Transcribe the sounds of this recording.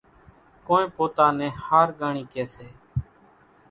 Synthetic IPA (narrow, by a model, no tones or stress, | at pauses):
kõːnẽːpoːt̪aːnɛ̃ːhaːɾɡaːɳiːkeːseː